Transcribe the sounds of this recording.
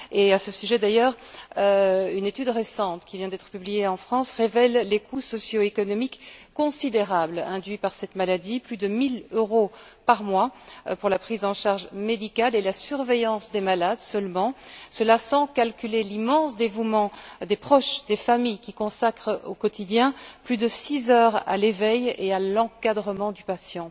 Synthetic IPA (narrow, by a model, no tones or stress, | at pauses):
easəsyʒɛd̪ajœːʁøynet̪yd̪ʁesɑ̃t̪kʲivjɛ̃d̪ɛt̪χə̥pyblijeɑ̃fχɑ̃sʁevɛlːekusɔsjoekɔnɔmikːɔ̃sid̪eʁablɛ̃d̪ɥipaʁsɛt̪malad̪iplyd̪əmiløʁo | paʁmwapuʁlapχizɑ̃ʃaʁʒmed̪ikʲalelasyʁvejɑ̃sd̪emalad̪sœlmɑ̃səlasɑ̃kalkʲylelimɑ̃sd̪evumɑ̃d̪epχɔʃd̪efamijkʲikɔ̃sakχəokɔt̪id̪jɛ̃plyd̪əsizœːʁa̰levɛjealɑ̃kad̪ʁəmɑ̃d̪ypasjɑ̃